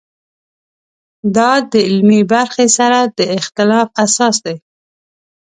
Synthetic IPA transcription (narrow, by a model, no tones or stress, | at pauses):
d̪ɑd̪əɪlmibaɾxesaɾad̪əɪxt̪ɪlɑfasɑsd̪e